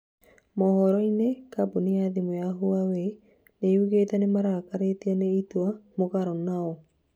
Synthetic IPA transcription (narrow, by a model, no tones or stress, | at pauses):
mɔhɔɾɔinekaboneaðimojaɦuawe | neuɣetɛnemaɾakaɾeteaneitwamoɣaɾɔnaɔ